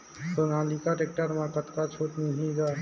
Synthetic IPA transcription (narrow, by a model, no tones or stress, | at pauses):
tonãlikaʈek̚ʈəɾmẽkət̪kat͡ʃʰoːʈnəɦĩɡaː